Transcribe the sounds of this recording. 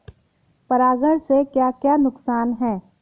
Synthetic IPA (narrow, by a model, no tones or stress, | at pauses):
pɐɾaːɡəɽsekjaːkjaːnʊksaːnɦɛ̃ː